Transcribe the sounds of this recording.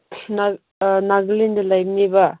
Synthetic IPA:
na | naɡlindɐlajbniba

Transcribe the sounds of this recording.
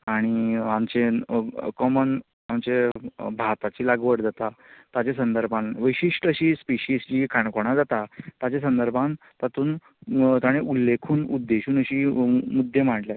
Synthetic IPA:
aɽ̃iamt͡ɕekɔmən | amt͡ɕebʱat̪at͡ɕiːlaɡʋəɽd͡zat̪at̪at͡ɕẽsənd̪əɾbʱãnʋəjɕiʂʈəɕiːspiɕiːsd͡ʑiːkʰaɳkoɽ̃ad͡zat̪at̪at͡ɕesənd̪əɾbʱãn | t̪at̪uːn | t̪aɽ̃eʔulːekʰuːnud̪ːeɕuːnəɕiːmud̪ʱːjem̤aʈljat̪

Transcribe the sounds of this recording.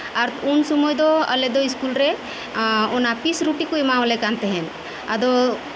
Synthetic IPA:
aɾunsumɔjd̪ɔə̰lɛd̪ɔiskulɾɛ | ɔnapisɾuʈikoimawlɛkant̪ɛɦɛn | ad̪ɔ

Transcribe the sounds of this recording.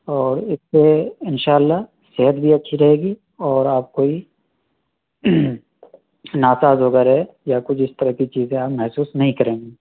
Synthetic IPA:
ɔːɾɪsːeɪnʃaːlːa | seɦət̪̚bʱiɐtːʃʰiɾɐɦeːɡi | ɔːɾaːp̚koːi | naːsaːzɦoːɡaɾejakʊt͡ʃʰɪst̪ɐɾəkit͡ʃiːzẽaːpmɐɦsuːsnɐɦĩkɐɾẽːŋɡiː

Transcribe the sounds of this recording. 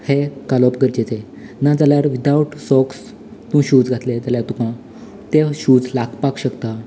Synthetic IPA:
hekalɔpɡəɾd͡ʑet͡se | nad͡zaljaɾʋid̪awʈsɔks | t̪ũɕuːd͡zɡʱat̪led͡zaljaɾt̪ukã | t̪eɕuːd͡zlaɡpakɕəkt̪a

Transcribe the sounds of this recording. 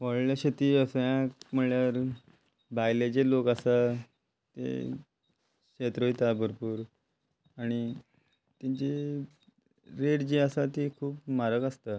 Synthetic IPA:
ʋoɭljaɕet̪iːəsjãkm̤əɳljaɾ | bajled͡ʑelokasa | t̪ḛ | kɕet̪ɾoit̪abʱəɾpuːɾ | aɽ̃i | t̪ãɲt͡ɕe | ɾeɽd͡ʑiəsat̪ikʰuːpmaɾəkast̪a

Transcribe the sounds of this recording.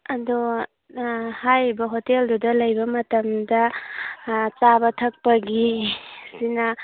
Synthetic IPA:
ɐdo | hajbɐɦoteldudɐlɐjbɐmɐtɐmdɐ | t͡ʃabɐtʰɐk̚pɐɡisinɐ

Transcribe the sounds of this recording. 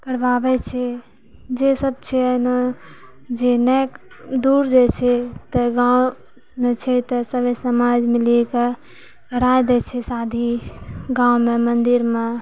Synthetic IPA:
kəɽʋabɛt͡ʃʰɛ | d͡ʒesəb̚t͡ʃʰɛəno | d͡ʒenɛk | d̪uɾd͡ʒet͡ʃʰɛt̪əɡaw | met͡ʃʰɛt̪əsəbəsəmad͡ʒmileke | kəɾajd̪ɛt͡ʃʰɛsad̪ʱiɡãumemənd̪iɾme

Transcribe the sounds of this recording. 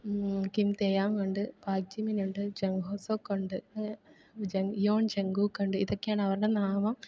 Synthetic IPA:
kimt̪ejaːmkoɳɖɨpaːɡ̚d͡ʒiminuɳɖɨd͡ʑeŋɡʱoːsoːkːoɳɖɨɐ | d͡ʒeŋjoːɳd͡ʑeŋɡuːkːoɳɖɨiðokːejaːɳɨɐʋɐɾɨɽenaːmɐm

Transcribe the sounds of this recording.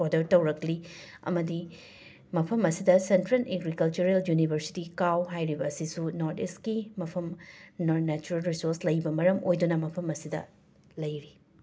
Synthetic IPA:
odɐɾtɐwɾɐkli | ɐ̰mɐdi | mɐpʰɐmɐsidɐsentɾelʔeɡɾikɐlt͡ʃuɾeljunibʱɐɾsi̥tikawɦajɾibɐːsisunoɾteskimɐpʰɐmnnɛt͡ʃuɾɐlɾisoɾslɐjbɐmɐɾɐmojdunɐmɐpʰɐmɐsidɐ̰ | lɐjɾi

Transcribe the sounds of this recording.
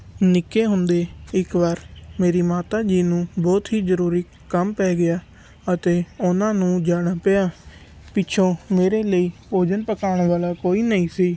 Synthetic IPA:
nɪkeːɦʊnd̪eːɪkʋaːɾmeːɾiːmaːt̪aːd͡ʒiːnũːbɔːt̪ɦiːzəɾuːɾiː | kəmpɛːɡɪjaː | ət̪eːʊnãːnũːd͡ʒaːɽ̃aːpəaː | pɪt͡ʃʰõːmeːɾeːləiːpoːd͡ʒənpəkaːɳʋaːlaːkoːiːnəĩːsiː

